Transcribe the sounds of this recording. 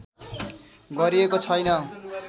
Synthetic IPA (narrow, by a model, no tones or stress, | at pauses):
ɡʌɾiekot͡sʰʌjnʌ